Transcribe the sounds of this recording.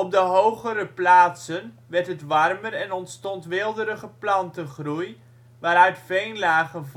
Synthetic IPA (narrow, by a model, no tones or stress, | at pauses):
ɔb̚dəɦowχəɾəplaːtsən | ʋɛɹtɦətʋɑrmərɛnɔntstɔntʋɪlˠdəɾəχəplɑntəχruj | ʋaːɾœɥtfejnlaːχən